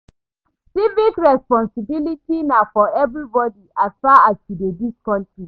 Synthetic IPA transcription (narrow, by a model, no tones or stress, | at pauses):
sivikɹɛspɔ̃nsibilitinafɔɛvɾibɔdiʔasfaːastidediskʰɔ̃nti